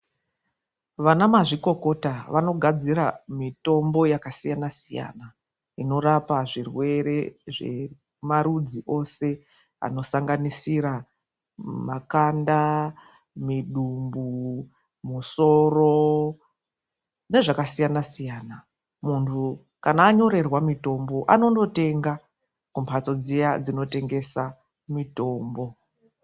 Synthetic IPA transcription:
ʋanamaʐiko̞ko̞taʋano̞ɡʱad͡ziɾamito̞mbo̞jakasijanasija̰na | ino̞ɾapaʐirwe̞ɾe̞ʐe̞̰ | maɾud͡ziʔo̞se̞ | a̰no̞saŋɡanisiɾa | makanda | miɗumbu | muso̞ro̞ | ne̞ʐakasijanasijaːna | muntʰu | kanaːɲo̞ɾe̞rwamito̞mbo̞ʔano̞ndo̞te̞ŋɡa | kumpʰat͡so̞d͡zijad͡zino̞te̞ŋɡe̞sa | mito̞ːmbo̞

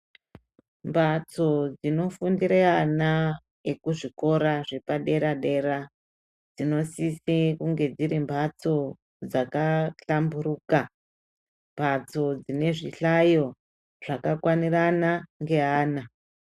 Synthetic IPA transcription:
mbʱat͡so̞d͡zino̞fundiɾeana | ekuʐiko̞ɾaʐepaɗe̞ɾaɗe̞ɾa | d͡zino̞sisikuŋɡe̞d͡ziɾimbʱat͡so̞ | d͡zakaɬambuɾuːka | mbʱat͡so̞d͡zine̞ʐiɬajo̞ | ʐ̥akakwaniranaŋɡe̞ɦaːna

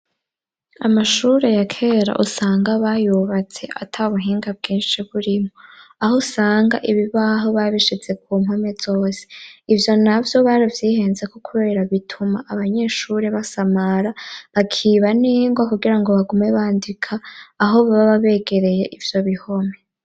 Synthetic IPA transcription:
a̰maʃuːɾe̞jakʰe̞ːɾa̰ʔusaːŋɡaβajuβat͡se̞ʔa̰tʰaβuɦiːŋɡab̚ɡiːnʃiβuɾimoahosaːŋɡaʔiβiβaɦo̞βaβiʃid͡ze̞k̚uːmome̞z̥o̞ːse̥ivjo̞navjo̞βaɾivjiːhe̞ːnze̞kokʰuβe̞ːɾaβitʰumaʔaβaɲe̞ːʃuɾe̞βasamaɾaβakʰiːβaniŋɡwakuɡiɾaŋɡo̞βaɡume̞βaːndikʰaːɦo̞βaβaβaβe̞ɡe̞ɾe̞je̞ʔivjo̞βiho̞me̞

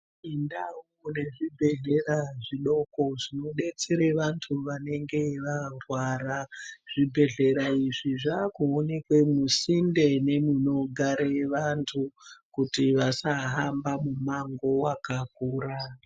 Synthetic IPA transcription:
indawune̞ʐibʱe̞ɮe̞raʐiɗo̞ko̞ʐino̞ɗe̞t͡seɾeʋantʰuʋane̞ŋɡe̞ʋarwaɾaʐ̥ibʱe̞ɮe̞ɾaiʐiʐakuonekwe̞musinde̞ne̞muno̞ɡʱaɾeʋantʰukutiʋasaɦambamumaŋɡo̞wakakuːɾa

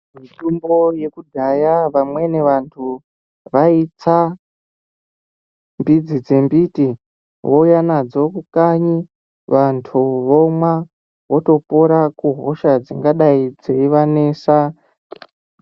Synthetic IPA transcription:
mitumboje̞kudʱajaʋamwe̞ne̞ʋantʰu | ʋait͡sa | mbid͡zid͡ze̞mbiti | wojanad͡zo̞kukaɲi | ʋantʰuʋomwa | wo̞to̞poɾakuɦo̰ʃad͡ziŋɡaɗaid͡ze̞iʋane̞ːsa

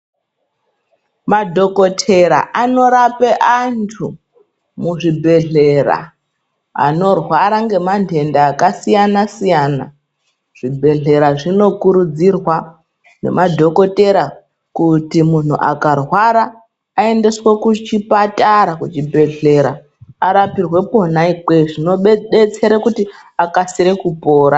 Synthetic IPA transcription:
madʱo̞ko̞tʰe̞ɾa̰ʔano̞ɾapeʔantʰu | muʐibʱe̞ɮe̞ɾa̰ | a̰no̞rwaɾaŋɡe̞mantʰe̞ndaːkasijanasijaːna̰ | ʐ̥ibʱe̞ɮe̞ɾaʐino̞kuɾud͡zirwa | ne̞̰mʔadʱo̞ko̞te̞ɾa | kutimun̤uʔa̰karwaɾaː | e̞nde̞swekut͡ʃipataɾakut͡ʃibʱe̞ɮe̞ɾa | aɾapirwe̞po̞naikeʐinoɓet͡se̞ɾekutiakasiɾe̞kupo̞ːɾa

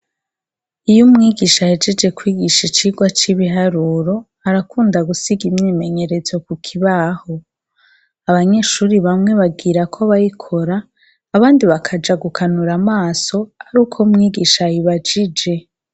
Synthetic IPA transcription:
ijumŋiːɡiʃahe̞d͡ʒe̞d͡ʒe̞kwiːɡiʃit͡ʃiːɡwat͡ʃiβiɦaɾuːɾo̞ | aɾakuːndaɡusiɡimɲeːme̞ɲe̞ɾe̞zo̞kukʰiβaho̞ | aβaɲe̞ʃuːɾiβamŋe̞βaɡiɾakʰoβajikʰoɾaː | βaːndiβakʰad͡ʒaɡukʰanuɾamaːso̞aɾuːkʰoumŋiːɡiːʃajiβad͡ʒid͡ʒe̞

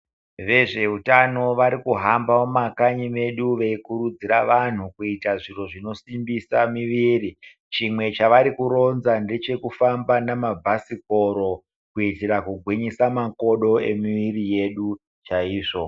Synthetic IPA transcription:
ʋe̞ʐe̞ɦutano̞ʋaɾikuɦambamomakaɲime̞ɗuʋeikuɾud͡ziɾaʋan̤ukuitaʐiro̞ʐino̞simbisamiʋiːri | t͡ʃimwe̞t͡ʃaʋaɾikuɾo̞nzande̞t͡ʃe̞kufambanamabʱasiko̞ɾo̞ | kuitiɾakuɡʱwiɲisamakoɗo̞e̞̰miʋirije̞ɗu | t͡ʃaiːʐo̞

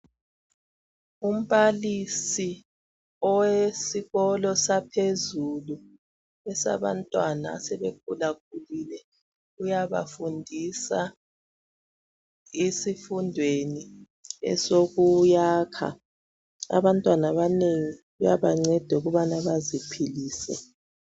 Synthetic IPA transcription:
um̩βalisi | ɔwesiɣɔlɔsapʰezulu | ɛsa̰βa̰ntʼwana̰ːsɛβeɡ̥ʱulaɣ̥̚ʰʱulilɛ | ujaβa̰fundʱisa | isifundʱweni | ɛ̰soɣujaːkʰa̰ | a̰βantʼwanaβaneŋiɣujaβaŋ͡ǀɛd̥ʱɛuɣuβanaβazipʰiliːsɛ̰

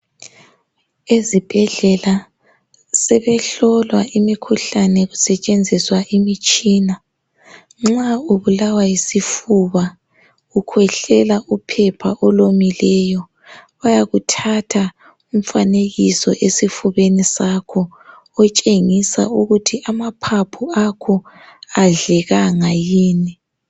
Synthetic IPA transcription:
ezib̥ʱɛɮɛla | sɛβɛɬɔlwaʔimikʰuɬanɛɣusɛt͡ʃʼend͡zʱiswaʔimit͡ʃʼiːna | ŋ͡ǁauβulawajisifuβa | ukʰwɛɬɛlaʔupʰɛpʰaʔɔlomilɛjɔ | βajaɣutʰatʰa | um̩faneɣisɔʔesifuβenisakʰɔː | t͡ʃʼeŋisa̰uɣutʰiʔamapʰapʰuakʰɔ | aɮɛɣaŋajiːni

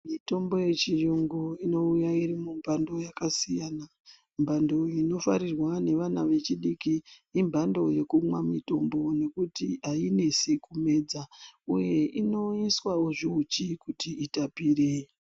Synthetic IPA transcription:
mito̞mbo̞je̞t͡ʃiruŋɡuino̞ujaiɾimumbʱando̞jakasijana | mbʱando̞ino̞faɾirwane̞ʋanaʋe̞t͡ʃiɗikiːmbʱando̞je̞kumwamito̞mbo̞ne̞kutiaine̞sikume̞ːd͡zauje̞ʔino̞iswaoʐiut͡ʃikutiitapire

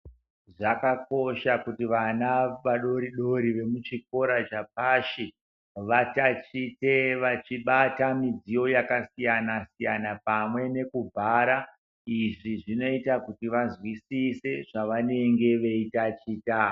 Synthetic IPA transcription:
ʐakako̞ʃakutiʋanaʋaɗo̞ɾiɗo̞ɾiʋe̞mut͡ʃik̚o̞ɾat͡ʃap̚aʃi | ʋatat͡ʃiteʋat͡ʃiɓatamid͡zijo̞jakasijanasijanapamwe̞ne̞kub͡vʱaɾa | iʐiʐino̞itakutiʋazwisise̞ʐ̥aʋane̞ŋɡe̞ʋe̞itat͡ʃiːta

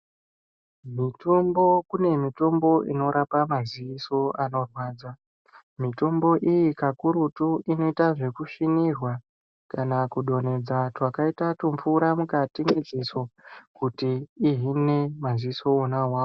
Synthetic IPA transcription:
mito̞mbo̞kune̞mito̞mbo̞ʔino̞ɾapamaziʋiso̞ano̞rwaːd͡za | mito̞mbo̞ʔijikakuɾutuʔino̞itaʐe̞kuʂinirwa | kanakuɗo̞ne̞d͡zatwakaitatump͡fuɾamukatiŋɡed͡zesokutiːɦine̞maziiso̞ːnawaːwo

